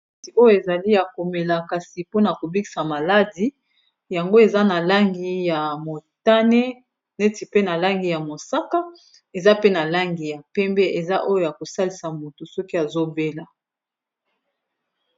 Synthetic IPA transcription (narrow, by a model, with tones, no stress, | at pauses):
e˦ti˨o˦jo˨e˨za˨li˦ja˨ko˨me˨la˨ka˨si˨po˦na˨ko˨bi˦ki̥˨sa˨ma˨la˦di˨ | ja˨ŋɡo˦e˨za˦na˨la˦ŋɡi˦ja˨mo˨ta˦ne˦ | ne˦ti˨pe˦na˨la˦ŋɡi˨ja˨mo˨sa˦ka˦ | e˨za˦pe˦na˨la˦ŋɡi˨ja˨pɛ˦mbɛ˦ʔe˨za˦ʔo˦jo˦˨ja˨ko˨sa˦li˨sa˨mo˨to˨sɔ˦ki˦a˨zo˦be˦la˨